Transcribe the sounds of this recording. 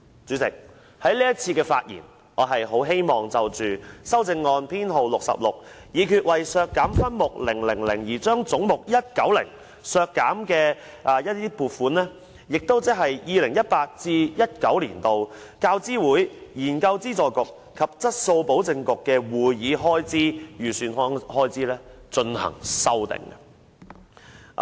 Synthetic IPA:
t͡ʃyː˨˥t͡sɪ̰˨k̚ | hɐ˨˥jliː˥jɐ˥t̚t͡sʰiː˧kɛː˧fa̰ː˧t̚jḭː˨˩n | ŋɔː˨˧ɦɐ˨jɦo˨˥wɦe˥jmɔː˨ŋt͡sɐ˨wt͡ʃyː˨sɐ˥wt͡sɪ˧ŋːɔː˧npʰiː˥nɦo˨˧wlʊ˨k̚sɐ̰˨p̚lʊ̰˨k̚jiː˨˧kʰyː˧t̚wɐ˨jsœː˧kːaː˨˥mfɐ˥nmʊ˨˩k̚lɪ˨˩ŋlɪ˨˩ŋlɪ˨˩ŋjiː˨˩t͡sœː˥ŋt͡sʊ˨˥ŋmʊ˨k̚jɐ˥t̚kɐ˨˥wlɪ̰˨˩ŋ | sœː˧kːaː˨˥mkɛː˧ | ʔaː˧jɐ˥t̚t̪iː˥puː˨˩t̚fuː˨˥nlɛː˥ | jɪ˨k̚t̪o˥wt͡sɪ˥k̚ɦɐ˨jjiː˨˧lɪ˨˩ŋjɐ˥t̚paː˧t̚t͡siː˧jɐ˥t̚kɐ˨˥wliː˨˩nt̪o˨w | kaː˧wt͡siː˥wuː˨˥jjiː˨˩nkɐ˧wt͡siː˥t͡sɔː˨jkʊ˨k | kʰːɐ˨p̚t͡sɐ˥t̚so˧wpo˨˥wt͡sɪ˧ŋkʊ˨kːɛː˧wuː˨˧jːiː˨˧ɦɔː˥jt͡siː˥jyː˨˩syː˨˧n˥hɔː˥jt͡siː˥lɛː˥t͡ʃɵ˧nhɐ̰˨˩ŋsɐ˥wt̪ɪ̰˨˩ŋ̰˨

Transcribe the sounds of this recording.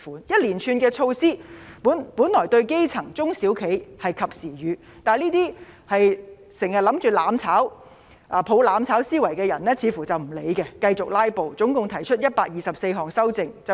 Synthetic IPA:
fuː˨˥njɐ˥t̚liː˨˩nt͡ʃʰyː˧nkɛː˧t͡sʰo˧wsiː˥puː˨˥npuː˨˥nlɔː˨˩jt̪ɵ˧ɥke˥jt͡sʰɐ˨˩ŋt͡sʊ˥ŋsiː˨˥wkʰe˨˥jhɐ˨jkʰɐ˨p̚siː˨˩ɥyː˨˧ | t̪aː˨˩niː˥t̪iː˥ | hɐ˨j | sɪ˨˩ŋjɐ˨t̚lɐ˨˥mt͡ʃyː˨laː˨˧˥mt͡sʰaː˨˥w | ʔaː˨˩pʰo˨˧wlaː˨˧˥mt͡sʰaː˨˥wsiː˥wɐ˨˩jkɛː˧jɐ˨˩nlɛː˥t͡sʰiː˨˧fuː˨˩t͡sɐ˨wm̩˨˩le˨˧jkɛ˧kɐ˧jt͡sʊ˨k̚laː˥jpo˨wt͡sʊ˨˥ŋkʊ˨ŋt̪ʰɐ˨˩jt͡ʃʰɵ˥t̚jɐ˥t̚paː˧k̚jiː˨sɐ˨p̚se˧jɦɔː˨˩ŋsɐ˥wt͡sɪ˨ŋt͡sɐ˨

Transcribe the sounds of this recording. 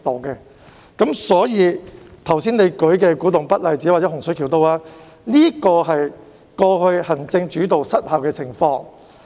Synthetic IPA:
t̪o˨wkɛː˧ | kɐ˨˥msɔː˨˥jiː˨˧t̪ʰɐ˨˩wsiː˥ne˨˧jkɵ˨˥ɥkɛː˧kuː˨˥t̪ʊ˨ŋpɐ˥t̚lɐ˨jt͡siː˨˥waː˨tt͡sɛ˨˥hʊ˨˩ŋsɵ˨˥kʰi˨˩wt̪o˨˧wlaː˥ | liː˥kɔː˧ɦɐ˨j | kɔː˧hɵ˧ɥhɐ˨˩nt͡sɪ˧ŋt͡ʃyː˨˥t̪o˨wsɐ˥t̚hɐ˨wkɛː˧t͡sʰɪ˨˩ŋfɔː˧ŋ

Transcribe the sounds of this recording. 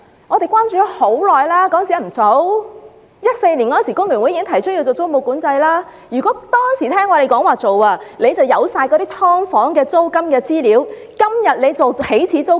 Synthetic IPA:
ŋɔː˨˧t̪e˨˩jkʷwaː˥nt͡ʃyː˧˩ɔ˨˥ho˨˥wlɔː˨jlaː˥kɔː˧˥˨si˨ɐ˥˩m̩˨˩t͡so˨˥w | jɐ˥t̚se˧jliː˨˩nkɔ˦˥˨si˨˩kʊ˥ŋmy˨˩nwjŋt̪ʰɐ˨˩jt͡ʃʰɵ˥ji˧wt͡so˨wt͡so˥wmo˨˧wkuː˨˥nt͡sɐ˧jlaː˥ | jy˨˩kɔː˨˥t̪ɔː˥ŋsiː˨˩t̪ʰɛː˥ŋːɔː˨˧e˨jkɔː˨˥ŋwaː˨t͡so˨˩waː˧le˨˧jt͡sɐ˨wjɐ˨˧wsaː˧jkɔː˧t̪iː˥t̪ʰɔː˥ŋfɔː˨˥ŋkɛː˧t͡so˥wkɐ˥mkɛː˧t͡siː˥liː˨˥w | kɐ˥mjɐ˨t̚le˨˧jt͡so˨whe˨˥jt͡sʰiː˨˥t͡so˥w

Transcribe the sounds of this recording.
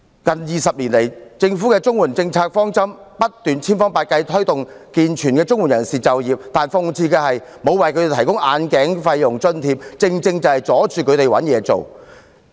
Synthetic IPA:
kɐ˨njiː˨sɐ˨p̚liː˨˩nle˨˩jt͡sɪ˧ŋfuː˨˥kɛː˧t͡sʊ˥ŋwu˨˩nt͡sɪ˧ŋt͡sʰaː˧k̚fɔː˥ŋt͡sɐ˥mpɐ˥t̚t̪yː˨nt͡sʰiː˥nfɔː˥ŋpaː˧t̚kɐ˧jt̪ʰɵ˥ɥt̪ʊ˨ŋkiː˨nt͡ʃʰyː˨˩nkɛː˧t͡sʊ˥ŋwu˨˩njɐ˨˩nsiː˨t͡sɐ˨wjiː˨˩p̚t̪aː˨nfʊ˨˧ŋt͡sʰiː˧kɛː˧hɐ˨jmo˨˧waː˨jkʰɵ˨˧ɥt̪e˨˩t̪ʰɐ˨˩jkʊ˥ŋʔaː˨˧nkɛː˨˥ŋfɐ˧jːʊ˨˩ŋt͡sɵ˧nt̪ʰiː˧p̚t͡sɪ˧ŋt͡sɪ˧ŋt͡sɐ˨˩whɐ˨jt͡sɔː˨˥t͡ʃʰyː˨˧kʰɵ˨˧ɥt̪e˨jwɐ̰˨˥njɛː˨˧t͡so̰˨w

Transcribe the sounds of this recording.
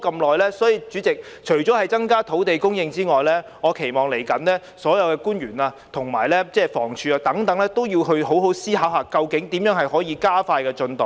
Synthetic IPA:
kɐ˧mlɔː˨˩jlɛː˥sɔː˨˥jiː˧t͡syː˨˥t͡sɪ˨k̚t͡ʃʰɵ˨˩t͡sɔː˨˥hɐ˨jt͡sɐ˥ŋkaː˥t̪ʰo˨˥wt̪e˨jkʊ˥ŋjɪ˧ŋt͡siː˥ŋɔː˨jlɛː˥ŋɔː˨˧kʰe˨˩jmɔː˨ŋle˨˩jkɐ˨˥nlɛː˥ | sɔː˨˥jɐ˨˧wkɛː˧kuː˥nɥyː˨˩naː˧ | t̪ʰʊ˨˩ŋma̰ː˨˩jlɛː˥t͡sɛː˥˩fɔː˨˩ŋt͡ʃʰyː˨˧aː˧t̪ɐ˨˥ŋt̪ɐ˨˥ŋlɛː˥t̪o˥wji˧wɦɵ˧ɥɦo˨˥wɦo˨˥wsiː˥ɦaː˨˥wɦaː˨˧kɐ˧wkɪ˨˥ŋt̪i˨˥mjœː˨˥ŋɦɐ˨jɦɔː˨˥jiː˨˧kaː˥faː˧jkɛː˧t͡sɵ˧nt̪o˨

